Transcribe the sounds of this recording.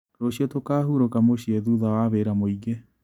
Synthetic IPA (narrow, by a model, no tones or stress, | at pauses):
ɾoɕiotokaɦuɾokamoɕieðuðawaβeɾamoiɡe